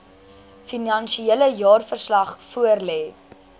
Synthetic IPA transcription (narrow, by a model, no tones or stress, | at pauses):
finɐnsieləjɑːrfərslɐχfuərlɛː